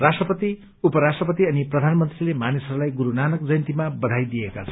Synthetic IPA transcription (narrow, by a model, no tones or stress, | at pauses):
rasʈrʌpʌt̪i | upʌɾasʈrʌpʌt̪iʌniprʌd̪ʱanmʌnt̪rilemanisʌɾulajɡuɾunanʌkd͡zʌjnt̪imabʌd̪ʱajd̪iekat͡sʰʌn